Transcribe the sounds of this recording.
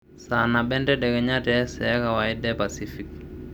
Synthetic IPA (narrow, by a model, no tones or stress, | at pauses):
sanaɓɛndɛɗɛɡɛɲatɛsɛakawaidɛpasifik